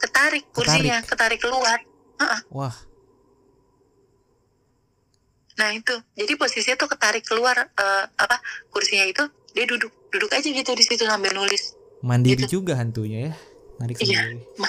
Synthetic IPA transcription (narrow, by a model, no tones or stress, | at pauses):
kət̪aɾɪkːursiɾɲakət̪aɾɪkːəluar | əʔəhwah | nahit̪ud͡ʒadiposisiɲat̪ukət̪aɾɪkːəluarəːapakursiɲait̪u | diadudʊk̚d̥udʊkad͡ʒaɡit̪udisit̪usambɪlnulɪs | mandiɾid͡ʒuɡaɦant̪uɲajamandikijaima